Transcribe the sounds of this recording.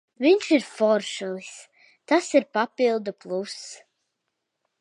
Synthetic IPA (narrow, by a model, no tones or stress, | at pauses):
viɲʲʃiɾfɔɾʃulˠis | t̪asiɾpapilˠd̪uplˠus